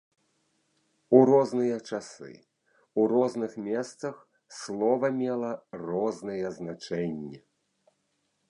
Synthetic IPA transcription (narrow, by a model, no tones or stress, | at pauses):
uɾɔznɨjɐt͡ʂasɨ̰ | urɔznɨxmʲɛst̪sɐx | slˠɔvɐmʲɛlˠɐrɔznɨjɛznat͡ʂɛnʲːɛ